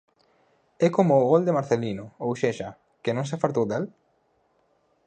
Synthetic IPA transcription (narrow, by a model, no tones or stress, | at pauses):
ɛkomoːɣold̪emaɾθelinʊowʃeʃa | kenõŋs̬afalt̪owd̪el